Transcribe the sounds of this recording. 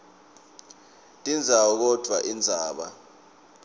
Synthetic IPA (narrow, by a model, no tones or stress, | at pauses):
tʼind͡zʱaɔk̬ɔd̥ʱwaʔind͡zʱaːɓa̰